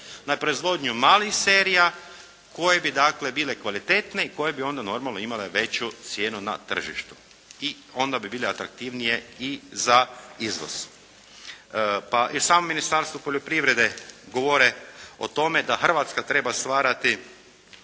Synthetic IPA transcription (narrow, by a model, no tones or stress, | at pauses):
napɾo̞izʋo̞d̪ɲumaːlixse̞ɾija | ko̞je̞bid̪akle̞biːle̞kʋalit̪e̞t̪ne̞iko̞je̞bio̞nd̪ano̞ɾmalno̞imale̞ʋe̞t͡ɕut̪sje̞ːnuna̰t̪r̩ʒḭʃt̪u̥ | i | o̞nd̪abibiːleat̪ɾak̚t̪iʋnije̞izaizʋo̰z̥ | paʔisaːmominist̪aɾst̪ʋupoʎo̞pɾiʋɾe̞d̪e̞ɡo̞ʋo̞ɾeo̰t̪o̞me̞d̪axr̩ʋat̪skat̪ɾe̞bast̪ʋaːɾat̪i